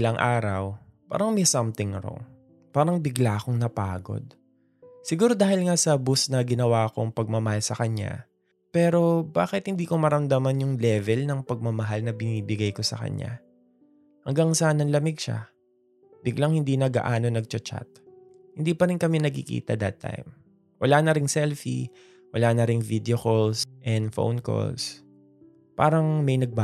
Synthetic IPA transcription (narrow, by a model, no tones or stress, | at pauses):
ʔɪlaŋʔaːɾɐw | pa̰ːɾɐŋmɛsɐmt̪ɪŋɾo̰ŋ | paːɾɐŋbɪɡlako̞ŋnɐpaːɡo̞̰d̪̚ | sɪɡuːɾo̞d̪aːhɪlŋasɐbusnɐɡɪnɐwako̞ŋpɐɡ̚mɐmɐhalsɐkɐɲa̰ | pɛːɾo̞baːkɪt̪̚hɪnd̪iːko̞mɐɾɐmd̪amɐnjʊŋlɛvɛlnɐŋpɐɡ̚mɐmɐɦalnɐbɪniːbɪɡajko̞sɐ̰kɐ̰ɲa̰ | hɐŋɡaŋsaːnɐnlɐmɪɡ̚ʃa̰ | bɪɡlaŋhɪnd̪inɐɡa̰ʔaːno̞nɐɡ̚t͡ʃɐt͡ʃa̰t̪̚ | hɪnd̪iːpɐɾɪnkɐmɛnɐɡkɪkḭːt̪ɐ̰d̪ɐt̪ʰːa̰jm | wɐlaːnɐɾɪŋsɛlfḭ | wɐlanɐɾɪŋvid̪ɛokolsʔɛnd̪fo̰wnko̰ls | pa̰ːɾɐŋmɐjnɐɡ̚ba